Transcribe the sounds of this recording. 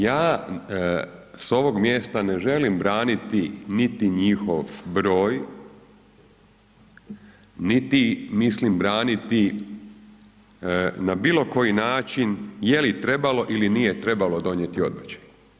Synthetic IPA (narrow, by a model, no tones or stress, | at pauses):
jaː | so̞ʋo̞ɡmje̞ːst̪ane̞ʒe̞limbɾaːnit̪init̪iɲixoʋbɾo̞ːj | nit̪imislimbɾaːnit̪i | nabiːlˠo̞ko̞jinaːt͡ʃinjelit̪ɾe̞balo̞ʔilinije̞t̪ɾe̞balo̞d̪o̞ɲjet̪io̞d̪mat͡ɕe̥